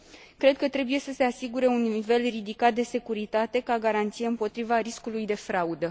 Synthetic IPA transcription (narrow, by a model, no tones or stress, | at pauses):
kɾe̞d̪̚kət̪ɾe̞buje̞səse̞asiɡuɾe̞unːive̞lrid̪ikat̪̚d̪e̞se̞kuɾit̪at̪e̞kaɡaɾant̪sijeɨmpo̞t̪ɾivaɾiskulujd̪e̞fɾaud̪ə